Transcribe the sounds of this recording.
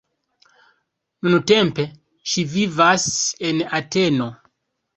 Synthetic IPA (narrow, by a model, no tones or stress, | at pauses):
munutɛmpe | ʃivivasɛnatɛno